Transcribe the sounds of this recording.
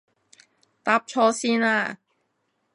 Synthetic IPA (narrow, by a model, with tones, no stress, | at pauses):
t̪aː˧˥p̚t͡ʃʰɔː˧siː˥naː˧